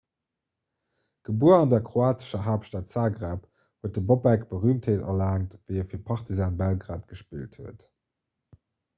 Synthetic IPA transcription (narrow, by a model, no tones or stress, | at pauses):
ɡ̥əbuːɐɑndɐkχoaːtə̥ʃɐɦaːpʃtaːtsaːɡʁap | huət̚dəbobækb̥əʁyːmtʰheːtɐ̰laːŋtvəɪɛfiːɐpʰɑχtizaːnbælɡʁaːtɡ̥əʃpḭːlthuət